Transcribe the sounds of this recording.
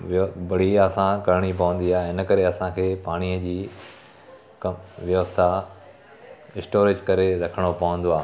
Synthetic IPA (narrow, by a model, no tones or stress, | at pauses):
ʋbɐɽ̤iəsãkɐɾɽ̃ipɐʋə̃n̆d̪iaːẽɪnə̆kɐɾeɐsãkʰeːpaːɽ̃iəd͡ʑiː | kɐʋjɐʋəst̪ʰa | ɪsʈoːɾɪd͡ʑkɐɾeɾɐkʰəɽ̃opɐʋə̃nd̪oaː